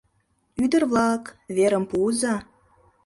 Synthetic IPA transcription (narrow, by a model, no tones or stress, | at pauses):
yd̪ə̆rβlɑkβeɾə̆mpuzɑ